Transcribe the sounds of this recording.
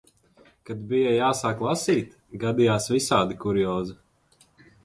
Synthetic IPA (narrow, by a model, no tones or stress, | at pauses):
kad̪bijajaːsaːklˠasiːt̪ | ɡad̪ijaːsvisaːd̪ikuɾiɔːzi